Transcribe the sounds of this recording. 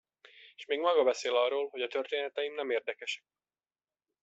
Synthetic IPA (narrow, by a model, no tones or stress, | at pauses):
eʃmeːɡmɒɡɒbɛseːlɒrːoːlɦo̞ɟɒt̪ørt̪eːnɛt̪ɛjimnɛmeːrd̪ɛkɛʃɛ̥k̚